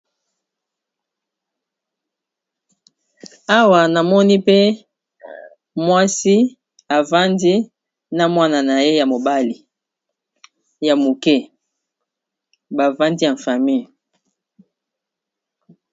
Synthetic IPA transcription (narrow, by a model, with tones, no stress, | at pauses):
a˦wa˨na˨mɔ˦ni˦pe˦ | mwa˦si˦ | a˨va˦ndi˦ | na˦mwa˦na˨na˨je˦ja˨mo˨ba˦li˨ | ja˨mo˨kɛ˦ | ba˨va˦ndi˦ja˨ɱ˨fa˨mi˦˨